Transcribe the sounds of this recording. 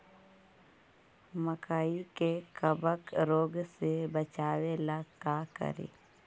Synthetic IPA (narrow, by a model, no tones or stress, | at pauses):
məkaːikekəbəkɾoːɡsebət͡ʃaːwelakaːkə̰ɾḛː